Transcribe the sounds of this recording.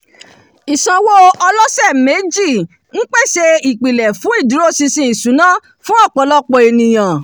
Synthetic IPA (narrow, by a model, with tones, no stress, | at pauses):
i˨sã˨˧wo˦ɔ˧lɔ˦sɛ˦˨me˨˦d͡ʒi˦˨ | n̩˦k͡pɛ˦˨se˧i˨k͡pi˨lɛ˨fũ˨˦i˦˨du˨˦ɾo˦sĩ˧sĩ˧i˨sũ˨˦nã˦˨ | fũ˦ɔ˦˨k͡pɔ˧lɔ˦k͡pɔ˧e˧nĩ˨j̃ã˨